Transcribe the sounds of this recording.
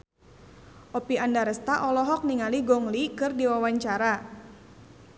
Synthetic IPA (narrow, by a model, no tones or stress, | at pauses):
ʔɔpiandaɾəst̪aʔɔlɔɦɔk̚niŋaliɡɔŋlikɨrdiwawaɲt͡ʃaɾa